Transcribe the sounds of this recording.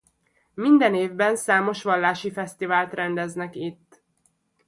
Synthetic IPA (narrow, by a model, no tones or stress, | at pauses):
mind̪ɛneːvbɛnsaːmo̞ʃʋɒlːaːʃifɛst̪ivaːlt̪rɛnd̪ɛznɛkit̪ː